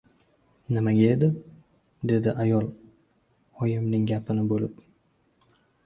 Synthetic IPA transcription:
nɪmaɡʲae̞d̪ɪ | d̪e̞d̪ɪʔajɒlˠ | ɒjɪmnɪŋɡʲapʰɪnɪbolɪp

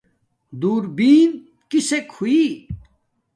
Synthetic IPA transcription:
d̪uːɾbiːn | kisekhui

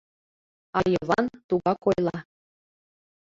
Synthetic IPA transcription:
ɑjɤβɑ̰nt̪uɣɑkojlˠɑ

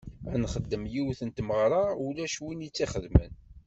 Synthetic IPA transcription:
ænχəd̪ːəmjiwθənt̪məʁɾˤɑulæʃwinit͡sːiχəðmə̰n

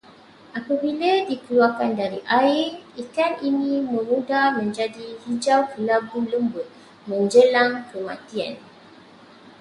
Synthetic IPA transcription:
ʔapəbilədikəluakandaɾiʔaiikaninĩməmudamə̃ɲd͡ʒadihid͡ʒawkəlaɡuləmbət | mə̃ɲd͡ʒəlaŋkəmã̰t̪ia̰n

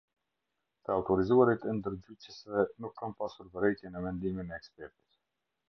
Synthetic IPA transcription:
t̪əawtoɾizuəɾət̪ənd̪ərdycəsənɔxkɑnpɑsfərbəɾejkənəmɛnd̪imənəɛkspɛrt̪ə̥s

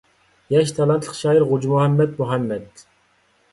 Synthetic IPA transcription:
jɛʃt̪ʰɑlɑnt̪ʰlə̥χʃɑːjiɾʁud͡ʒmuhɛmːɛd̪̚muɦæmːɛd̪

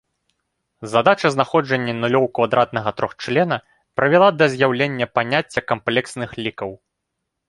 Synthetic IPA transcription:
zad̪at͡ʂɐznaxɔd͡ʐɐnʲːɐnulʲɔwkvad̪ɾat̪̚n̪ɐɣɐt̪ɾɔxt͡ʂlʲɛnɐ | pɾɐvʲɛlˠad̪ɐzʲjawlʲenʲːɐpanʲat͡sʲːɐkamplʲɛksnɨxlʲikɐw

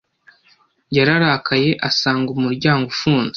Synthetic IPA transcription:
jaɾaɾaːkʰaje̞ʔasaːŋɡumuɾɟaːŋɡufuːnze̥

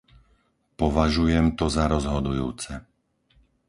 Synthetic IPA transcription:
pɔʋaʒujɛmt̪ɔzaɾɔzɦɔd̪ujṵːt͡sɛ

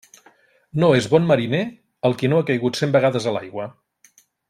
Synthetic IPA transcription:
noezβɔnməɾine | əlˠkinoakəjɣut̪sembəɣ̞aðəzəla̰jɣwə

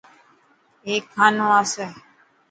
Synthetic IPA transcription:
eːkʰːaːnõːaːseː

